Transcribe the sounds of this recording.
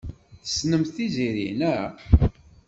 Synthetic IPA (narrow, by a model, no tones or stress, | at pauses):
θə̥snəmθiziɾḭnæ